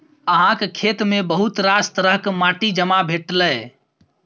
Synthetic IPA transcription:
əɦãkkʰet̪mebəɦut̪ɾast̪ɾəɦkmaʈid͡ʒəmabʱeʈlə

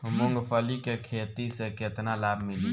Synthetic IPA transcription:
mʊŋɡpʰəlikekʰeːt̪iseket̪nalaːbʱmɪli

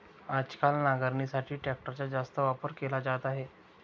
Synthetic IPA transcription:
ad͡ʑkalnaɡaɾniːsaʈʰiːʈɛk̚ʈəɾat͡ɕjad͡ʑast̪əʋapəɾkelad͡ʑat̪aɦe

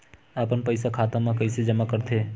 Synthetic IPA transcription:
aːpənpəɪsakʰaːt̪ãmãkəɪsed͡ʒəmakəɾt̪ʰe

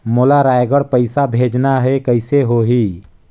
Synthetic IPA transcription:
molaɾajɡəɽpəɪsabʱeːd͡ʒnaɦɛkəɪseɦoɦiː

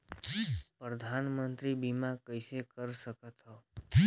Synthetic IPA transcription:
pɾəd̪ʱanmənt̪ɾibimãkəjsekəɾʃəkət̪ɦɔ

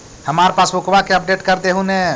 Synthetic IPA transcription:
həmaɾepaːsbukbakeəp̚ɖeːʈkəɾd̪eɦune

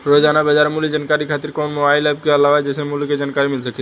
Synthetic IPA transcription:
ɾod͡ʒanabəd͡ʒaɾmulid͡ʒankaɾikʰat̪iɾkonmobajlɛb̚keəlaʋad͡ʒesemuliked͡ʒankaɾimilsəkʰi

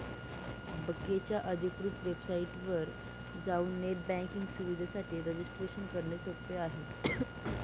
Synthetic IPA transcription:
bəkːet͡ɕjaʔəd̪ʱikɾut̪ʋebsaiʈʋəɾ | d͡zauːnːeʈ̚bæ̃ŋkiŋɡsuʋid̪ʱasaʈʰiːɾed͡ʑisʈɾeɕənkəɾɳesokt̪eaɦe

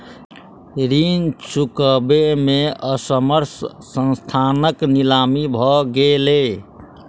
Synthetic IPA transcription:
ɾint͡ʃukəbemeəsəməɾsː | ə̃nst̪ʰanəknilamibʱɔɡele

